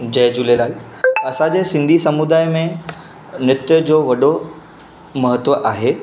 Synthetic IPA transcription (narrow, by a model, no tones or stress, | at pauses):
d͡ʑɐjd͡ʑulelaːl | ɐsãd͡ʑeːsɪ̃nd̪ʱisɐmud̪aːjmẽ | nɪt̪jəd͡ʑoːʋɐɗo | mɐɦət̪ʋəʔaːɦeː